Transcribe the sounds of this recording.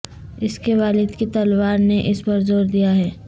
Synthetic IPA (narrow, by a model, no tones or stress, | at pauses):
ɪskeʋaːlɪd̪kit̪ɐlwaːɾneʔɪspɐɾzoːɾd̪ijaɦɛː